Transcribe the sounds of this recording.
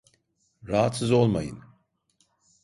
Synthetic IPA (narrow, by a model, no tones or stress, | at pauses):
ɾaɦat̪sɯzo̞lˠmajɯ̰n